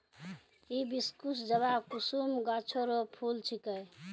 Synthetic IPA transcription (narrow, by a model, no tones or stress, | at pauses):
ibiskusd͡ʒəβakusumɡat͡ʃʰoɾopʰult͡ʃʰikəj